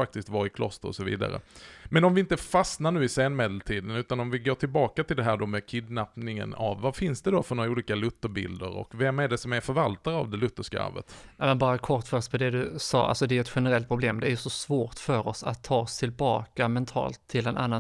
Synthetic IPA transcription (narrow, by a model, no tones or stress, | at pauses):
ak̚t̪ɪskt̪vɑɾɪkʰlɔ̰st̪əɾɔsɔvḭːd̪a̰ɾə̰mɛnɔmvɪɪnt̪əfasnaɳʉ̟ːɪseːnmeːd̪əlt̪ʰiːd̪ənʉ̟ːt̪anɔmvɪɡoːʈʰɪlbɑːkat̪ʰɪld̪ɛɦæːɖɔmɛkʰɪd̪napnɪŋə̰na̰vːafɪnsd̪ɛd̪ɔfœɾɳoːɾauːliːkalɵt̪ːəɾbɪ̰ld̪əɾɔ̰kvɛmːæɖɛsɔmæɾfœɾvalt̪aɾa̰vd̪ɛlɵt̪ːəʂka̰və̰t̪ːmɛnbɑːɾakʰɔɾʈːfœɾɔspʰɔd̪ɛd̪ɵsɑ̰ːa̰lsɔd̪ɛæɛt̪ɧɛnəɾɛlt̪̚pʰɾʊbleːmd̪ɛæɾjɵsɔsvoːʈfœɾɔsa̰t̪ʰːɑːst̪ʰɪlbɑ̰ːkamɛnt̪ʰɑ̰ːlt̪ʰːɪlɛnʔa̰nːa